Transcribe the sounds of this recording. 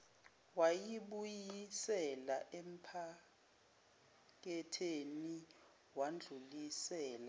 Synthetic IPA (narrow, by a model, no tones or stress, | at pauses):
wajiɓujjisɛlaʔem̩pʰa | k̬ɛtʰeni | wand͡ɮʱulisɛːla